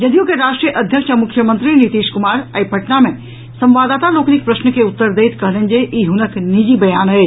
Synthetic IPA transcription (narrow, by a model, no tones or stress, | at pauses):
d͡ʒɐd̪ijõkeɾaːʃʈɾijəʔəd̪ʱjəkʃamʊkʰjəmənt̪ɾinit̪iːʃkumaːɾəipʰɐʈnamẽ | sɐ̃mʋaːd̪aːt̪aloːknik̚pɾəʃnəkeut̪ːəɾd̪eːt̪kəɦlənd͡ʒeʔiɦʊnəknid͡ʒibɐjaːnɦe